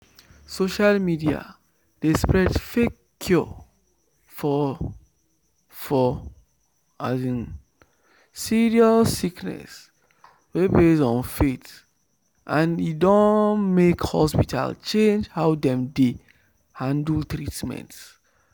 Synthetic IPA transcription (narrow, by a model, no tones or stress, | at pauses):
soʃalmidia̰ | d̥espɹɛdfekʰːjɔ | fɔ | fɔ | az̃n | siɹialsiknɛ̰s | webesɔ̃nfet | ʔãnidɔ̃nmekhɔ̰spitʰa̰lt͡ʃẽnd͡ʒhaʊdɛ̃mde | hãndltɹitmɛ̰̃nt